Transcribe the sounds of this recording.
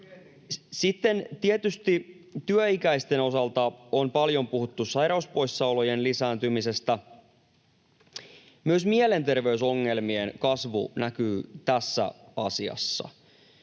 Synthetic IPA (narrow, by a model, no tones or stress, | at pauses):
sit̪ːe̞nt̪iet̪yst̪i | t̪yøikæjst̪e̞no̞sɑlt̪ɑonpɑljo̞mpuɦut̪ːusɑjɾɑuspo̞jsːɑolojenlisæːnt̪ymise̞st̪æ | myøsmiele̞nt̪e̞rʋe̞yso̞ŋːe̞lmie̞nkɑsʋṵnækyːt̪æsːæ̰ɑsiɑ̰sːɑ̰